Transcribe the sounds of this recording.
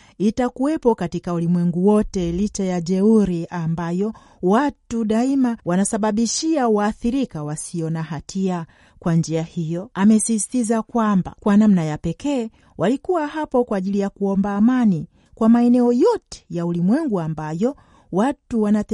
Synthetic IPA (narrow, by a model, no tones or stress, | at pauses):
itakuwɛpɔkatikaulimwɛŋɡuwɔtɛlit͡ʃajaʄɛuɾiambajɔ | watuɗaimawanasaɓaɓiʃiauwaːθiɾikawasiɔnaɦatʰia | kwand͡ʒiahijɔamɛsistizakwamba̰kwanamnajapɛkɛː | wʔalikuwaɦapɔkwaːʄilijakuɔmbaːmani | kwamaɛnɛɔjɔtɛ̥jaulimwɛŋɡuambajɔ | watuwana